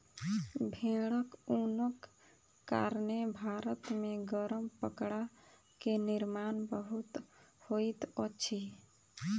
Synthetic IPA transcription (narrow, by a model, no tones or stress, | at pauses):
bʱẽɽəkunəkː | a̰ɾnebʱaɾət̪meɡəɾəmpəkɽa | keniɾmanbəɦut̪hojt̪ət͡ʃʰi